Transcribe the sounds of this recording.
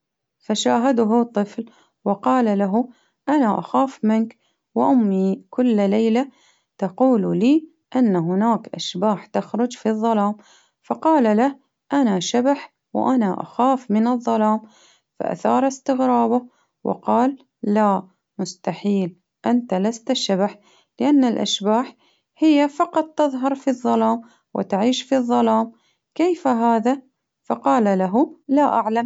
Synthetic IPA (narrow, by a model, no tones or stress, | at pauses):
faʃaːɦad̪ɦʊt̪ˤːɨfl | wɪqɑːlalaɦʊ | ʔanaʔa̰xaːfmɪnk | wɪʔʊmːikʊlːlajla | t̪ɑquːlliː | ʔɪnːaɦʊnaːkʔaʃbaːħt̪axɾˤʊd͡ʒfiðˤːɑlaːm | fɑqɑːlalah | ʔanaʃabaħ | w̰ʔanaʔa̰xaːfmɪnɨðˤːɑlaːm | fa̰ʔa̰θɑːɾˤɪst̪ɪɣɾɑːba | wɪ̰qɑːlː | a | mʊst̪aħiːl | ʔant̪alast̪aʃabaħ | lɪʔanːalʔa̰ʃbaːħ | hɪjːafɑqɑt̪̚ˤt̪ːɨðˤɦɑɾˤfiðˤːɑlaːm | wɪ̰t̪aʕiːʃfiðˤːɑlaːm | keːfaɦaːða | fɑqɑːlalaɦulaʔaʕlam